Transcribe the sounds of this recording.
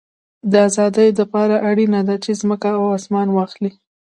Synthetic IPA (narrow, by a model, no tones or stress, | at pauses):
d̪əazɑd̪əjd̪əpɑɾaʔaɽinad̪at͡ʃezməkaawɑsmɑnwɑxli